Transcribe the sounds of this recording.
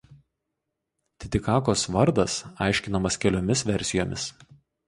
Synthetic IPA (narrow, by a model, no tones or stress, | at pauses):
t̪ʲɪt̪ʲɪkɑːkoːsʋɐɾd̪ɐsɑ̰ˑɪʃʲkʲɪnɐmɐskʲɛlʲoːmʲɪsʋʲɛɾʲsʲɪjoːmʲɪs